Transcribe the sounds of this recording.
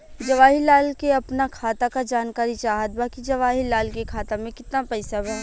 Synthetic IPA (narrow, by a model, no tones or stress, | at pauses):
d͡ʒɐʋaːɦilaːlkeɐpnakʰaːt̪akad͡ʒaːnkaːɾit͡ʃaːɦət̪̚baːkid͡ʒɐʋaːɦilaːlkekʰaːt̪amẽkɪt̪napɛɪsabɛ